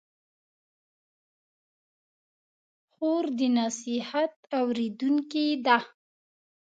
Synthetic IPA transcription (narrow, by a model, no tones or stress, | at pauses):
xoɾd̪ənasihat̪awɾed̪uŋkid̪a